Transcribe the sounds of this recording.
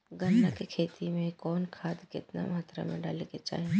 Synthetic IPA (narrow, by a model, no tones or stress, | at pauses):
ɡənːakekʰeːt̪imẽkɔːnkʰaːd̪kɪt̪na̰maːt̪ɾa̰mḛ̃ɖaːleket͡ʃa̰ːɦe